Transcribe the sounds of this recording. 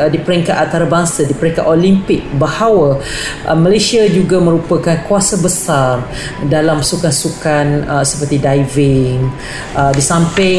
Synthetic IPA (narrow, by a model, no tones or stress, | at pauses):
dipəɾɛŋkat̪ant̪aɾabaŋsadipəɾɛŋkaʔ̪olimpɪk̚bəhawaʔəmə̃lasiad͡ʒuɡamə̃ɾupakankuasabəsar | dalampə̥sukansukanəsə̥pərt̪idajvɪŋ | ʔədisampɪ